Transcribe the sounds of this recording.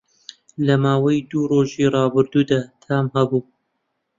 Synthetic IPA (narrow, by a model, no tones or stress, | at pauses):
lɐmaːwɐjd̪uːroːʒiːrɑːbɨɾd̪uːd̪aːt̪ʰamhɐbuː